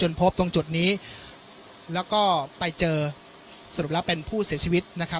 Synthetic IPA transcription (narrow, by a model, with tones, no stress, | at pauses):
t͡ɕo˧npʰo˦˥p̚t̪o˧ŋt͡ɕu˨˩t̪̚niː˦˥ | lɛː˦˥wkɔː˥˩pa˧jt͡ɕɤː˧ | sa˧ɾu˨˩p̚lɛː˦˥wpe˧npʰuː˥˩si˨˩˦ɐt͡ɕʰiː˧wi˦˥t̪̚na˦˥kʰa˦˥